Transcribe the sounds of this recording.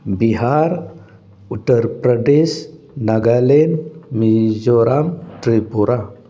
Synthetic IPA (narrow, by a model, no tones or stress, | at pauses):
biɦaɾ | uʈəɾpɾəɖeʃ | naɡalenmid͡ʒoɾamʈɾipuɾa